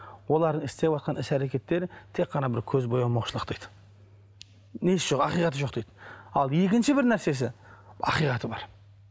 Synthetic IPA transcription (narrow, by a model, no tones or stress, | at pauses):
wo̞lˠɑɾd̪əɪst̪ewɑt̪̚qʰɑnɪsæɾe̞kʲe̞t̪ːe̞ɾɪt̪ʰe̞qːɑnɑbɪɾkʲʰɵzbo̞jɑmoqʃəlˠəqt̪ejd̪̥ə̥ | nesʒoqɑqijqɑt̪əʒo̞q̚t̪ejd̪̥əɑlˠje̞kʲɪnʃɪbɪɾnæɾse̞s̬ɪɑ̰qijqɑt̪əbɑ̰ɾ